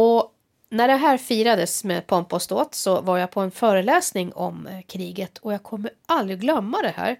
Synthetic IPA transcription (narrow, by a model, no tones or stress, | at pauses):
ɔ | næɖɛɦæːɾfiːɾad̪əsmeːpʰɔmpɔst̪oːt̪sɔvaɾjapʰɔɛnfœːɾəlɛːsnɪŋɔ̰mkʰɾiːɡət̪ʰɔjaːɡkʰɔmːəɾald̪ɾɪɡɡlœmːad̪ɛhæ̰ːɾ